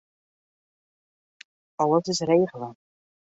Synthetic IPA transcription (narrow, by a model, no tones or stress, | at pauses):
ɑləsɪsrejχələ